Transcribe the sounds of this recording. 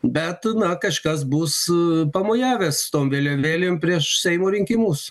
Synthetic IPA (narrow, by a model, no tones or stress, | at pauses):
bʲɛt̪nɐkɐʃkɐs̬buspɐmoːjæːʋʲeːst̪oːmʋʲeːlʲoːʋʲeːlʲeːmpʲɾʲiɛʃsʲɛɪmoːɾʲɪŋʲkʲimuːs